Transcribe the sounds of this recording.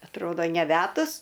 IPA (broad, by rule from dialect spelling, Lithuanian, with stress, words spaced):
ɐtˈroːdoː nʲɛˈʋʲæːdʊs